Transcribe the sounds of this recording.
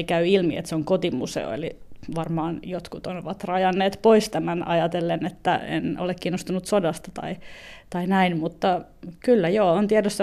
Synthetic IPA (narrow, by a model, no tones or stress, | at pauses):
ikæyilmiḛt̪seoŋkot̪imṵsḛo̰ḛliʋɑrmɑːnjot̪kut̪onoʋɑt̪rɑjɑnːeːt̪poist̪æmænɑjɑt̪elːenet̪ːæ̰ḛno̰lekkiːnːost̪unut̪sodɑst̪ɑt̪ɑ̰it̪ɑinæinmut̪ːɑkylːæjoːont̪iædosːɑ